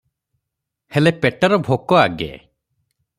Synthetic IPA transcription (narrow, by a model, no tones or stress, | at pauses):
helepeʈɔɾɔbʱokɔaɡḛ